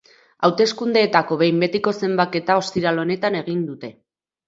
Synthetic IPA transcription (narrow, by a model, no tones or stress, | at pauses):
awt̪e̞skund̪e̞ːt̪ako̞βe̞jmbe̞t̪iko̞se̞mbake̞t̪ao̞st̪iɾalo̞ne̞t̪ane̞ɣ̞ind̪ut̪e̞